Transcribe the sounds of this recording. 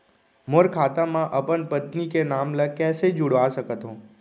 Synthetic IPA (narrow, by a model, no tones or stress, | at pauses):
moɾkʰaːt̪amãʔəpənpət̪nikenaːmləkɛːsed͡ʒʊɽʋasəkət̪ɦõː